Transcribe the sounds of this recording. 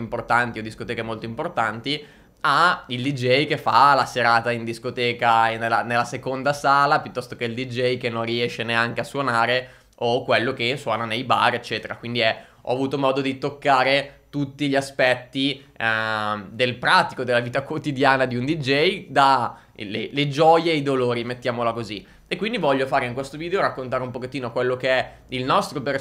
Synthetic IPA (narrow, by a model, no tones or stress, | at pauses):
mport̪ant̪iod̪iskot̪ɛːkemolt̪oimport̪ant̪i | aild̪id͡ʒɛjkefːalaseɾaːt̪aind̪iskot̪ɛːkanelːanelːasekond̪asaːlapjut̪ːɔst̪okeild̪id͡ʒɛjkenːonriɛʃːeneaŋk̟easwonaːɾe | okːwelːok̟eswɔːnanejba̰ret͡ʃːɛːt̪eɾakwind̪iɛ | ɔ̰avuːt̪omɔːd̪od̪it̪okːaːɾet̪ut̪ːiʎiaspɛt̪ːi | d̪elpɾaːt̪i̥kod̪elːaviːt̪akwot̪id̪jaːnad̪iund̪id͡ʒɛjd̪a | leled͡ʒɔːjeːjd̪oloːɾimet̪ːjaːmolakozi | ekːwind̪ivɔʎːofaːɾeiŋkwest̪oviːd̪eoɾakːont̪aːɾeumpoket̪ːiːnokwelːokeɛ | ilnɔst̪ɾoper